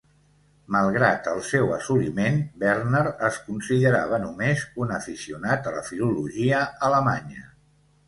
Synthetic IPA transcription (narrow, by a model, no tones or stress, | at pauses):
məlˠɣɾat̪əlˠsɛwəsuɾimenbɛɾnəɾəskunsiðəɾa̰βənumezunəfisiunat̪ələ̰filuluʒiəələmaɲə